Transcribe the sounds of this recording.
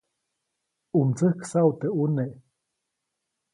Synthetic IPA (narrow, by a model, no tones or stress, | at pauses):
umt͡sɨhksaut̪euneʔ